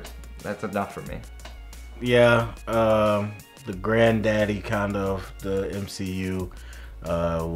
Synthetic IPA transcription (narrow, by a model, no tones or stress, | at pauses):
ðæ̰tsɨnʌfə˞mḭ | jæʌm | ðɨɡɹæ̃ndæɾikʰãɪ̃ndʌʌv̥ðiɛ̃msijʉ | ʔʌ